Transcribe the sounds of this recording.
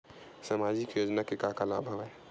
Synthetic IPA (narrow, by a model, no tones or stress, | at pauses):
samaːd͡ʒɪkjoːd͡ʒnakekakala̰ːbʱɐʋɛ